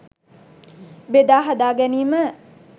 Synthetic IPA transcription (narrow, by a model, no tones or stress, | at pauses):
bed̪aːɦad̪aːɡɛniːmə